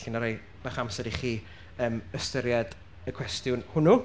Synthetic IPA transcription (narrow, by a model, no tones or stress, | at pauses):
ɬɪnaɾaj | b̥aχamsɛdiχiː | əːməstəɾjad | əkʰw̥ɛstjʊnhʊnu